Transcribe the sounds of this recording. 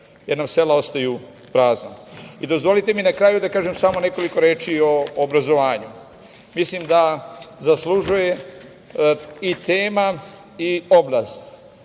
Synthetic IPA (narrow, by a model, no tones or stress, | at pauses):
jeɾnamse̞lao̞st̪ajuː | pɾaːznaid̪o̞zʋo̞lit̪e̞minakɾaːjud̪akaːʒemsamo̞ne̞ko̞liko̞ɾeːt͡ʃio̞ːbɾazo̞ʋaːɲu | mislimd̪azasluʒuje̞ | it̪eːma | ioblaːst̪